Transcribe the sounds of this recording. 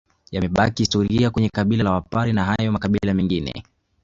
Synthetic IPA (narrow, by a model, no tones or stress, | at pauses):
jamɛɓakihistɔɾiakwɛɲɛkaɓilalawapaɾinaɦajɔmakaɓilamɛŋɡinɛ̰